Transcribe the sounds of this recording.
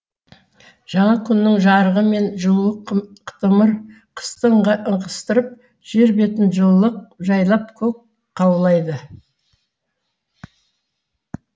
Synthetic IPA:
ʒ̥ɑɴɑkʲʰʏnːɪŋʒɑɾəʁəme̞nʒəlˠuəqt̪əməɾ | qʰə̥st̪əɴʁəʔəɴqəst̪əɾəp̚ | ʒ̥e̞ɾbe̞t̪ɪnʒəlˠːəq̚ʒɑjlˠɑp̚kʲʰɵk̚ | qʰɑwlˠɑjd̪ə

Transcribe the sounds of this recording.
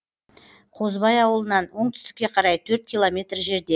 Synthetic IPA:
qʰo̞zbɑjɑwəlˠənɑnwo̞ɴt̪ʰʏ̥st̪ɪ̥kʲːe̞qʰɑɾɑjt̪ʰɵɾt̪̚kʲʰilˠo̞mʲe̞t̪rʒe̞ɾd̪e

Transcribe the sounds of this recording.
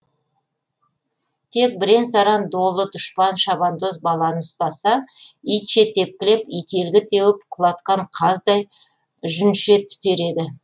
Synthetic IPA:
t̪ʰe̞k̚bɪɾe̞nsɑɾɑnd̪o̞lˠːəd̪ʊʃpɑnʃɑbɑnd̪o̞s̬bɑlˠɑnəʊst̪ɑsɑijt̪ʃe̞t̪ʰe̞p̚kʲɪlepijt̪ʰe̞lɡʲɪt̪ʰe̞wɪpqʰʊlˠɑt̪qɑɴqʰɑzd̪ɑj | ʒʏnʃe̞t̪ʰːʏ̥t̪e̞ɾe̞d̪ɪ

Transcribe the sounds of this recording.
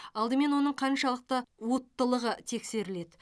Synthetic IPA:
ɑlˠd̪əme̞nwo̞nəɴqʰɑnʃɑlˠəq̚t̪ɑwo̞t̪ːəlˠəʁət̪ʰe̞kse̞ɾɪle̞d̪ɪ

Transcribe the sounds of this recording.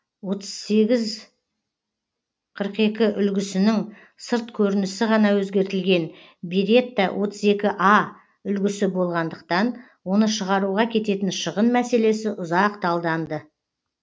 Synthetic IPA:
wo̞t̪əz̥se̞ɡʲɪz | qʰəɾqe̞kʲɪʔʏlɡʲɪsɪnɪŋ | səɾt̪kʲʰɵɾɪnɪsɪʁɑnɑwɵzɡʲe̞ɾt̪ɪlɡʲe̞n | biɾe̞t̪ːɑwʔo̞t̪əze̞kʲɪʔɑ | ʏlɡʲɪsɪbo̞lˠʁɑnd̪əq̚t̪ɑn | wo̞nəʃəʁɑɾuʁɑkʲʰe̞t̪e̞t̪ɪnʃəʁənmæse̞le̞sɪʔʊzɑqt̪ɑlˠd̪ɑnd̪ə

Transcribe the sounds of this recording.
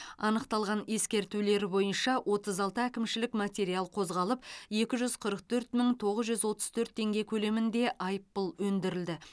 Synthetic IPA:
ɑnəqt̪ɑlˠʁɑne̞skʲe̞ɾt̪ule̞ɾbo̞jənʃɑwʔo̞t̪əzɑlˠt̪əækʲɪmʃɪlɪkmat̪ʲe̞ɾialˠqʰo̞zʁɑlˠəpje̞kʲɪʒʏz̥qʰəɾəq̚t̪ʰɵɾt̪məŋt̪ʰo̞ʁəzʒʏzwo̞t̪ə̥zt̪ʰɵɾt̪ʰːe̞ŋɡʲe̞kʲʰɵle̞mɪnd̪e̞ʔɑjpːəlˠwɵnd̪ɪɾɪld̪ɪ

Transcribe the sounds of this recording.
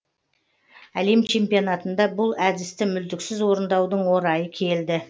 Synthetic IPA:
æle̞mt͡ʃʰe̞mpijo̞nat̪ənd̪ɑbʊlˠæd̪ɪst̪ɪmʏld̪ɪksɪzwo̞ɾənd̪ɑwd̪əɴwo̞ɾɑjəkʲʰe̞ld̪ɪ

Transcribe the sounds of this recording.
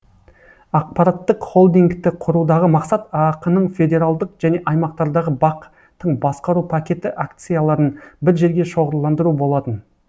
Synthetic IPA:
ɑq̚pɑɾɑt̪ːəqχo̞lˠd̪iŋkt̪ɪqʰʊɾud̪ɑʁəmɑqsɑt̪ɑqənəɴfʲe̞d̪ʲe̞ɾalˠd̪əqʒ̥æne̞ʔɑjmɑq̚t̪ɑɾd̪ɑʁəbɑq | t̪ːəɴbɑsqɑɾupʰakʲe̞t̪ɪʔakt̪sɨjalˠɑɾənbɪɾʒe̞ɾɡʲe̞ʃo̞ʁəɾlˠɑnd̪əɾubo̞lˠɑt̪ən

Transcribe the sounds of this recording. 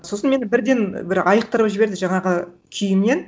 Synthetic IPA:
sosənme̞nɪbɪɾd̪e̞nbɪɾɑjəq̚t̪əɾəpʒɪbe̞ɾd̪ɪʒɑɴɑʁə | kʲʰʏjɪmne̞n

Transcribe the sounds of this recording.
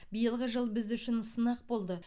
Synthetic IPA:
bijəlˠʁəʒəlˠbɪzʏʃɪnsənɑq̚bo̞lˠd̪ə

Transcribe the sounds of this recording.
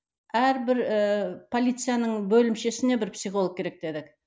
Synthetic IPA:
æɾbɪɾpʰo̞lʲijt̪sɨjanəɴbɵlɪmʃe̞sɪne̞bɪɾpsiχo̞lˠək̚kʲʰe̞ɾe̞k̚d̪e̞d̪ɪk

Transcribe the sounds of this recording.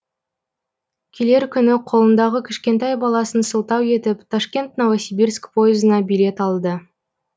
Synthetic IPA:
kʲʰele̞ɾkʲʰʏnɪqʰo̞lˠənd̪ɑʁəkʲʰɪ̥ʃkʲe̞nt̪ɑjbɑlˠɑsənsəlˠt̪ɑwe̞t̪ɪpt̪ʰaʃkʲe̞nt̪novasʲibirskpʰo̞jɪzənɑbijle̞t̪ɑlˠd̪ə

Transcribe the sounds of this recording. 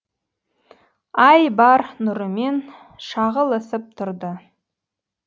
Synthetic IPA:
ɑjbɑɾnʊɾəme̞n | ʃɑʁəlˠəsəp̚t̪ʰʊɾd̪ə

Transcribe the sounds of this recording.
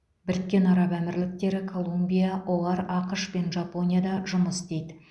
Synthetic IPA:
bɪɾɪt̪̚kʲe̞nɑɾɑpæmɪɾlɪk̚t̪e̞ɾɪkʰo̞lˠumbʲijawʔo̞lˠɑɾɑqəʃpe̞nʒɑpo̞nʲijad̪ɑʒʊməsd̪e̞jd̪ɪ

